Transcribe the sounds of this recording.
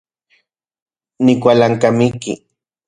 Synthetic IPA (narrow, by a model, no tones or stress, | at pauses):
nikʷalaŋkamikḭ